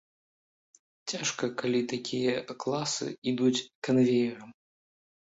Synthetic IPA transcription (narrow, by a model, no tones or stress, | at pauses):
t͡sʲaʂkɐkalʲit̪akʲijɐklˠasɨ̰id̪ut͡sʲkanvʲejɐɾɐm